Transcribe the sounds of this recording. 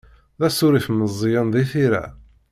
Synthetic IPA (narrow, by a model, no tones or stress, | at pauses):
ðæsʊɾifməzˤːjənðˤiθiɾæ̰